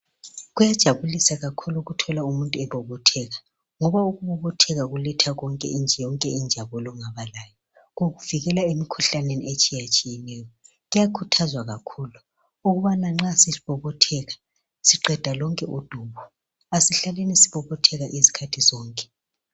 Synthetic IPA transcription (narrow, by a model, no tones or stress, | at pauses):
ɣujad̥ʒ̥ʱaβulisaɣakʰuluɣutʰɔlaumuntʼuɛβɔβɔtʰɛɣa | ŋɔβauɣuβɔβɔtʰɛɣaɣulɛtʰaɣɔŋkʼɛ̰ind͡ʒʱɛjɔŋkʼɛind͡ʒʱaβɔlɔŋaβalaːjɔ | ɣoɣuv̥iɣɛlaemikʰuɬaneniet͡ʃʼijat͡ʃʼijɛnɛjɔ | ɣujakʰutʰazwaɣakʰulu | uɣuβanaŋ͡ǁasiiβɔβɔtʰɛɣa | siǃɛd̥ʱalɔŋkʼɛʔud̥ʱuːβɔ | asiɬalenisi̥βɔβɔtʰɛɣaʔizi̥kʰatʰizɔːŋkʼɛ̥